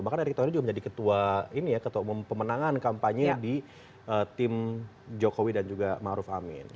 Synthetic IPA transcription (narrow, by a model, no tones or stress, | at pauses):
mbahkanaɾik̚t̪awanid͡ʒuɡaməɲd͡ʒadikət̪uainijakət̪amumpəmənaŋankampaɲədi | ət̪ɪm | d͡ʒokowidand͡ʒuɡamaʔɾʊfamɪ̰n